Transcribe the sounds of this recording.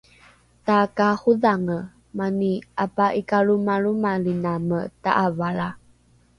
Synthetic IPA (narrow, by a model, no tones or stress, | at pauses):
takahuðaŋə | maniapaʔikaɭumaɭumaɭinaməta̰ʔavaɭa